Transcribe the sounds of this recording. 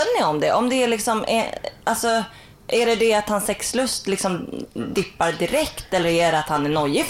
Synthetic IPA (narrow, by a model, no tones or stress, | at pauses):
nɪɔmd̪ɛʔɔmd̪ɛæɭɪksɔmɛ̰alsɔ | ʔæɖɛd̪ɛat̪hansɛkslɵst̪lɪksɔmd̪ɪpːaɾd̪ɪɾɛkt̪ɛlːəɾæɖɛat̪hanænɔjːə